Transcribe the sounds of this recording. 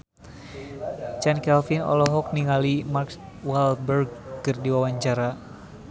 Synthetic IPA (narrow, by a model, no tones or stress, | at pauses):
t͡ʃɛnkɛlfinɔ̰lɔɦɔk̚niŋalimarks | walbərɡ̚ːərdiwawaɲt͡ʃaɾa